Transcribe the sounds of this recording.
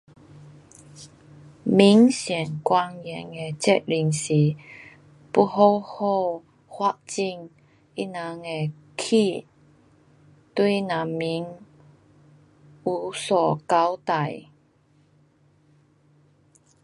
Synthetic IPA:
mi˨˦ŋsjɛ˨˩ŋkwa˧ŋjɛ˨˩ŋe˨˧t͡ɕɛ˦˥t̚li˨˩ŋsi˨˦ | pu˥˧ɦo˧who˥˧ | hwa˦˧ʔ̚t͡ɕi˥˧˨ŋ | i˦˥nã˨˦ŋe˨˩ | kʰi˥˧ | t̪wi˥˩nã˨˦mi˨˦ŋ | u˨˦sɔ˨˩ka˦wt̪a˨˩j

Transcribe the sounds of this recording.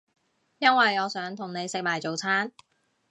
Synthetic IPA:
jɐ˥nwɐ˨jɔː˨˧sœː˨˥ŋt̪ʰʊ˨˩ŋne˨˧jsɪ˨k̚maː˨˩jt͡so˨wt͡sʰaː˥n

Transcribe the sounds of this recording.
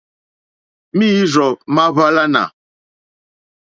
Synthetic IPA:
mi˦i˦zɔ˨ma˦βa˦la˦na̰˨

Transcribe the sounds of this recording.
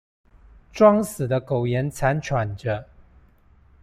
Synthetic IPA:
ʈ͡ʂwɑ˥ŋsɹ̩˨˩d̪ə˦ko˨˩ʊjɛ˧˦nt͡sʰa˧˦nt͡ʃʰwa˨˩nʈ͡ʂə˦

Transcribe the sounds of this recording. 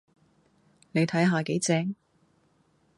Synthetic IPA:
ne˨˧jt̪ʰɐ˨˥jɦaː˨˧ke˨˥jt͡sɛː˧ŋ

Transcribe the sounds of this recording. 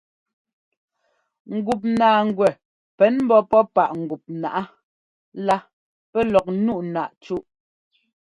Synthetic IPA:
ŋ̩˨ɡu˨p̬̚naː˨ŋ̩˨ɡwɛ˨ | pɛ˨˦nm̩˦bɔ˦pɔ˦pa˨ʔŋ̩˨ɡu˨p̚na̰˨ʔa˦ | la˦ | pɛ˦lɔ˨k̚nu˦˨ʔna˨ʔt͡ʃu˦ʔ

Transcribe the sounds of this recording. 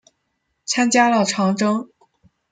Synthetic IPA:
t͡sʰa˥nt͡ɕja˥lə˨ʈ͡ʂʰɑ˧˥ŋʈ͡ʂɤ˥ŋ

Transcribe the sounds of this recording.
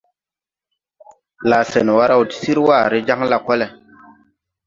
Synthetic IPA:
la˨sɛ˨n˨wa˦ɾa˦u˨ti̥˦si˦ɾwa˦˨ɾe˦d͡ʒa˦ŋla˦kɔ˦lɛ˨

